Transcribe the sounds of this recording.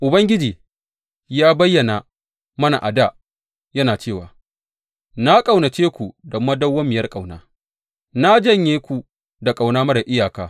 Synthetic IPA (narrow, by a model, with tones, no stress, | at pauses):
ʔʊ˨bɐ˦ŋɡʲɪ˦d͡ʒiː˨ | jaː˦bɐ˦jːɐ˨na˨ | mɐ˦na̰˨ʔa˨da˦˨ | jɐ˦naː˨t͡ʃeː˦˨waː˨ | na˦kʼa˨wna˨t͡ʃeː˦kʷu˨dɐ˨mːa˦dɐ˦wːɐ˦mːɪ˨jɐ˦rkʼa˨wna̰ː˦ | na˦d͡ʒɐ˦ɲjeː˦kʷu˨ | da˨kʼa˨wnaː˦mɐ˦da˨ʔɪ˦jaː˨kaː˦